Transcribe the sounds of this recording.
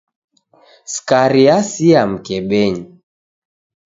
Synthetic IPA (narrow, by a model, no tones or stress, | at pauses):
skaɾiasiam̩kɛɓɛɲi